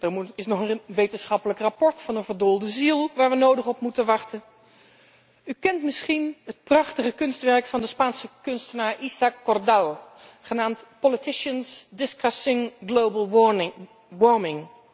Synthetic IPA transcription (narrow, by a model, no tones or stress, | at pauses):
dəɹmuɪsnɔχənʋejtənsχɑpələkrapɔɹtfɑnənvəɹdolˠdəzilˠʋaːɹʋənowdəχɔpmutənʋɑχtən | ykɛntmɪsχinɦət̚prɑχtəχəkɵnstʋɛɹkfɑndəspaːnsəkɵnstənaːɹʔisakːɔrdaw | χənaːmtpolitɪʃənsdɪskɑsɪŋɡlowbəlˠ | ʋɔɹmɪŋ